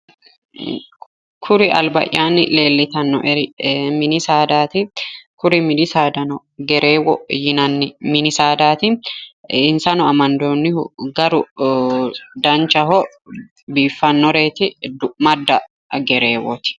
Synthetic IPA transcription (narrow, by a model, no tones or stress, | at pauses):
kʰʊɾɪʔɐ̰lbɐ̰ʔjaːnːɪle̞ːlːɪt̪ɐnːɔ̰ʔɛɾɪmɪnɪsaːd̪aːt̪ɪkʊɾɪmɪnɪsaːd̪ɐnɔ | ɡɛɾʔeːwɔjɪnɐnːɪmɪnɪsaːd̪aːt̪ɪ | ɪnsɐnɔɐmɐnd̪oːnːɪhʊ̰ɡɐɾʊ | d̪ɐnt͡ʃɐɦɔ | biːfːɐnːɔɾe̞ːt̪ɪd̪ʊʔmɐd̪ːɐ | ɡɛɾe̞ːwɔ̰t̪ɪ̥